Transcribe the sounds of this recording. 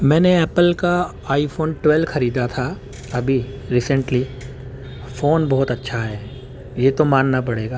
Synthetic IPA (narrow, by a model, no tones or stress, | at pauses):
mɛ̃ːneɛːpəlka | aːiɪfoːnʈwɛlxɐɾiːd̪at̪ʰa | ɐbʱi | ɾiːsə̃ɳʈli | foːnbɔɦt̪ɐtːʃʰaɦɛː | jeːt̪omaːnnapɐɽeːɡaː